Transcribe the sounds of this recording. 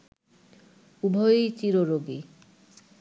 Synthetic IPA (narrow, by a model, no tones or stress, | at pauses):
ubʱoit͡ɕiɾoɾoɡi